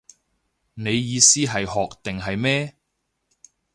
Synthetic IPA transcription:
ne˨˧jːiː˨˧siː˥ɦɐ˨jhɔː˨k̚t̪ɪ˨ŋɦɐ˨jmɛː˥

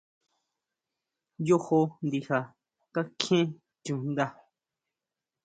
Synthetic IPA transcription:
jo˦ho˧nd̪i˧ha˨ | ka˦kʰẽ˦ | t͡ʃũ˨n˦d̪a˧

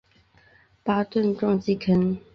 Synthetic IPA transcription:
pa˥˦t̪ə˥˨nʈ͡ʂɔ˥˧ŋt͡ɕi˥˨kʰə˦n

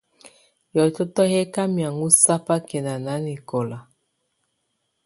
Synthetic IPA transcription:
jɔ˨t͡ʃɔ˦tɔ˦hɛ˦ka˦mja˨ŋu˦sa˦pa˦kɛ˨na˨na˨˦ni˨kɔ˨la˨

